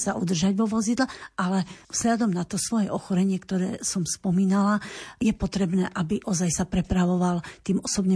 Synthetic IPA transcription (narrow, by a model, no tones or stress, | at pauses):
saʔud̪r̩ʒaɟʋɔʋɔzid̪laʔalɛvz̥ʎad̪ɔmnat̪ɔsʋɔjɛʔɔxɔɾɛɲɪɛkt̪ɔɾɛːsɔmspɔmiːnalajɛpɔt̪ɾɛbnɛːʔabiʔɔzajsapɾɛpɾaʋɔʋalt̪iːmɔsɔbɲɛ